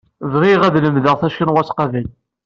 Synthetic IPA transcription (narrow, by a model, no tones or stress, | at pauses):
vʁiʁæðləmðəʁθæʃkinwæsqɑvæl